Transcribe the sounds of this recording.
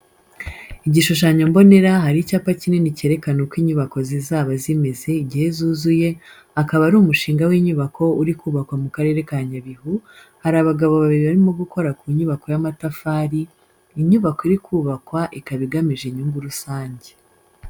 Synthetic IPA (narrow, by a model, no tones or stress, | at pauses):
iɟiʃuʃaɲo̞mbo̞ne̞ɾaɦaɾicaːpacine̞nice̞ːɾe̞kanokwiːɲuβako̞zizaːβazime̞ze̞iɟihe̞zuːzuje̞ | akaβaɾuːmuʃiːŋɡawiɲuβakʰo̞uɾikuːβakwamukaɾe̞ːɾe̞kaɲaβihu | haɾaβaɡaβo̞βaβiɾiβaɾimo̞ɡuko̞ɾakuɲuβako̞jamatafaːɾiː | ɲuβakoiɾikʰuːβakwaʔikaβiɡamiʒeɲuːŋɡuɾusaːɲɟe